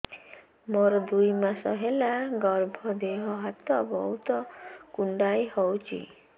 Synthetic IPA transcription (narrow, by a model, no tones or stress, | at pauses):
moɾɔd̪ujmasɔɦelaɡɔɾbʱɔd̪eɦɔɦat̪ɔbɔɦut̪ɔkuɳɖajhɔwt͡ʃʰḭ